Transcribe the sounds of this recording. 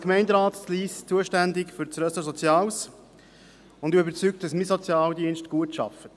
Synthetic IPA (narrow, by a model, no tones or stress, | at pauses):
kmɛɪndɾaːtliːst͡suəʃtændɪkfʏɾt͡sɾœsəsɔt͡sjɑːws | ʊndʏbəɾt͡syk̚t̚d̥ɑsmisɔt͡sjɑːldiənʃtɡ̥uətʃɑ̰fət